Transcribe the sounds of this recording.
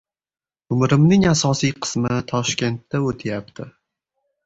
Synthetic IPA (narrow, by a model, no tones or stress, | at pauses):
ʊmɾɪmnɪŋasɒsijqʰɨ̥smɪt̪ʰɒʃkʲe̞nt̪ʰːaot̪ʰɪjap̚t̪ʰɪ